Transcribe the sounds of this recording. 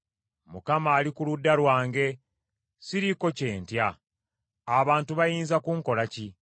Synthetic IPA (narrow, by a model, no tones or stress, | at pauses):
mukamaːlikuludːalwaːŋɡe̞ | siɾiko̞ce̞ːntja | aβaːntuβajiːnzakuŋko̞laci